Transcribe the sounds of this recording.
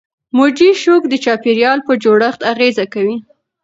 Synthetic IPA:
mod͡ʒiʃokd̪ət͡ʃɑpeɾjɑlpəd͡ʒoɽəxt̪aɣezakawi

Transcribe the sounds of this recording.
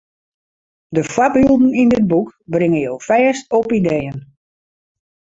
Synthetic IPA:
dəfwapylˠdn̩indɪd̚bukbrɪŋəjowfɛːstɔpideːən

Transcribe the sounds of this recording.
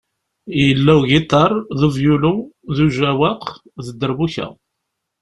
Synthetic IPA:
jəlːæwɡit̪ˤːɑɾˤðuvjuluðuʒæwɑq | ðəd̪ːəɾbuçæ̰

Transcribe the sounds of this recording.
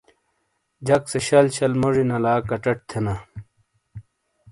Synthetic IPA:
d͡ʑɐkseɕɐlɕɐlmoʐinɐlaːkɐʈɐʈ̚t̪ʰena

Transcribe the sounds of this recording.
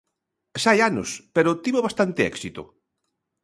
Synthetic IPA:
ʃajanʊ̰speɾʊt̪iβoβast̪ant̪ɪɛ̰ksit̪ʊ̰

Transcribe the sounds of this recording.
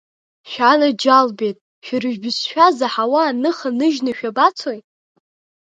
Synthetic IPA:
ʃᶣanad͡ʒalbetʼ | ʃᶣrɨʒᶣbɨsʃᶣazaħawaːnɨχanɨʒnaʃᶣabat͡sʰoj

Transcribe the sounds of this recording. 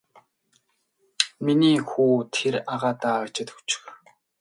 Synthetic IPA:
miniːxuːt̪ʰeɾaʁaːt̪aːəkt͡ɕɪ̆t̪xu̥t͡ɕɪ̥̆x

